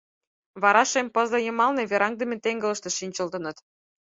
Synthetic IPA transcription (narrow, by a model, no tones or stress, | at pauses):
βɑɾɑʃempɤzlɤ̆jɤ̆mɑlnĕβeɾɑŋd̪ĕmet̪eŋɡə̆lə̆ʃt̪ĕʃinʲt͡ɕə̆ld̪ɤ̆nɤ̆t̪